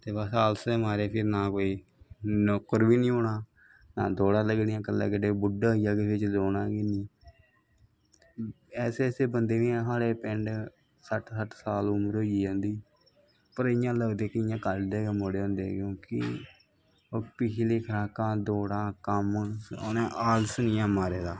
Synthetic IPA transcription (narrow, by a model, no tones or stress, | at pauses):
t̪eːʋaːsaːlsemaːɾeːpʰɪɾnaːkoːiː | nokːəɾbiːnĩːɦoːɳaː | nã̰ːd̪oːɽãːləɡnjãːkəlːɛ̰ːkəɖeːbʊɖaːɦijaːɡeːʋɪt͡ʃdoːnãːɡinĩː | ɛːseseːbənd̪eːʋĩːãsaːɽeːpɪɳɖ | səʈsəʈsaːlʊməɾoːiiːõːnd̪iː | pəɾɪjãːləɡd̪eːkɪjãːkəld̪eːɡeːmoːɽeːɦõːnd̪eːkjõːkɪ̰ | oːpɪt͡ʃʰleːkʰəɾaːkãːd̪oːɽãːkəmo̰nẽːʔaːlsnĩːãːmaːɾeːd̪aː